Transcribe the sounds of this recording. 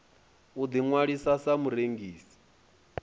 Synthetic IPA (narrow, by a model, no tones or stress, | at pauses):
ud̪iŋwaɺisasamuɾeŋɡiːsi̥